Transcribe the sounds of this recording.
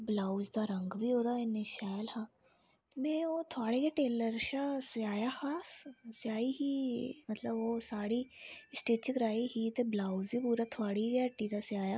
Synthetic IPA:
blaːzd̪aːɾə̃ŋɡʋiːɦoːd̪aːɪneʃaːjlhãː | mẽːoːt̪ʰʊaːɽeːɡeʈeːləɾʃasaːjaːhasɪjaːiːɦiːmət̪ləboːsaːɽiːɪsʈeːt͡ʃəkɾaːiɦiːt̪eblaːuziːpuːɾaːt̪ʰʊaːɽiɡaːʈːiːd̪asɪaːjaː

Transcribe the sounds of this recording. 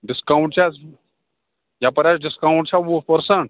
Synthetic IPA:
ɖiskawɳʈ̚t͡ʃʰa | japəɾʲasɖiskawɳʈt͡ʃʰaʋopəɾsəɳʈ

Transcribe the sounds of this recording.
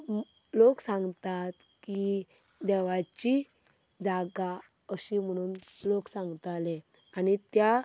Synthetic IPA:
loksãŋɡt̪at̪kid̪ɛʋat͡ɕid͡zaɡaəɕim̤əɽ̃uːnloksãŋɡt̪aleanit̪ja

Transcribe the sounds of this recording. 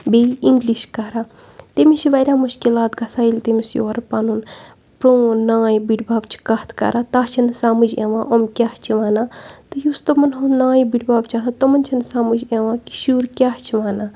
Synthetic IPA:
beːiŋɡliʃkɐɾaː | t̪emit͡ʃʰiʋɐjɾʲaːmuʃkilaːt̪ɡɐsaːilt̪emisjo̰ːɾpaːnun | pɾoːnãːjbiɖbaːbt͡ʃʰi̥kɐht̪ʰkɐ̰ɾaːt̪aːɦt͡ʃʰinsaːmud͡ʒḛːʋãːʔomkʲaht͡ʃʰiʋaːnaːt̪ɨjust̪ɐmɐnɦonãːjbiɖbaːbt͡ʃʰat̪at̪ɐmɐnʲt͡ʃʰɐnsaːmud͡ʒeʋãːki̥ʃuːɾkʲaːht͡ʃʰiʋaːnaː

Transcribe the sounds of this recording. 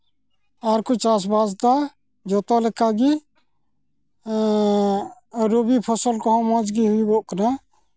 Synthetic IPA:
aɾkot͡ʃas̬basd̪a | d͡ʒɔt̪ɔlɛkaɡi | ɾobipʰəsəlkɔɦɔ̃mãd͡ʒɡiɦuibɔʔkəna

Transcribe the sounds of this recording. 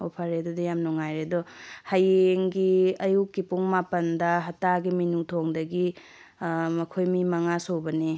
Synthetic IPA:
opʰaɾedɔdɐjamnuŋajɾedɔhajeŋɡiɐjukːipuŋmapɐndɐɦɐtaɡiminutʰoŋdɐɡi | mɐkʰojmimɐŋasowbɐni

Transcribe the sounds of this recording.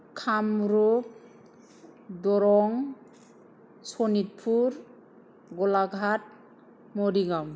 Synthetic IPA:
kʰamɾup̚ | d̪ɔɾɔŋ | sɔnit̚pʰuɾ | ɡɔlaɡʱat̚ | moɾiɡam

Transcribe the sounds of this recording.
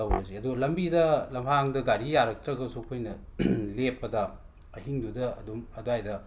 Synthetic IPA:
ɐwɾɐziɐduɡɐlɐmbidɐlɐmpʰaŋdɐɡaɾijaɾɐk̚tɾɐɡɐsukʰojnɐlepːɐdɐ | ɐɦiŋdudɐɐ̰dumɐduajdɐ

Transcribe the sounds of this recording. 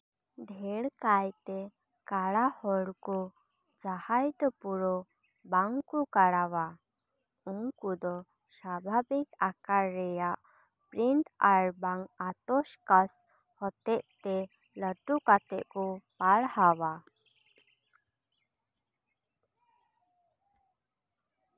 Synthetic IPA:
d̪ʱɛɽkajt̪ɛ | kaɽahɔɽkɔ | d͡ʒahajd̪ɔpuɾɔ | baŋkukaɽawa | uŋkud̪ɔ | sabʱabikakaɾːɛjaʔ | pɾiɳʈaɾbaŋat̪ɔʃkas | hɔt̪ɛʔt̪ɛ | ləʈukat̪ɛʔkupaɽhawa

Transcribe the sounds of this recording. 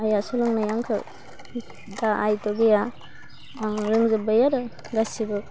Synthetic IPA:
ajasɔlɔŋnajaŋkʰɯ̰ | daʔajtoɡeja | ɾɯŋzɯbajaɾɐ | ɡasibɯ

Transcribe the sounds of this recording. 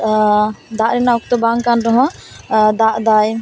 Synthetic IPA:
d̪aʔɾɛnauk̚t̪ɔbaŋkanɾɔɦɔ̃d̪aʔd̪aj

